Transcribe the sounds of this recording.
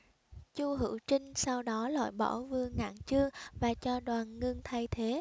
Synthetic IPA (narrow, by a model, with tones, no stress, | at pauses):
t͡ɕu˧ɦɨ̰˧˨wt͡ɕï˧ŋ̟sa˧wɗɔ˨˦la̰˧˨jɓɔ˧˩vɨ˧əŋːa̰ː˧˨nt͡ɕɨ˧əŋvaː˨˩t͡ɕɔ˧ɗwaː˨˩nŋɨ˧ŋt̪ʰa˧jt̪ʰe˨˦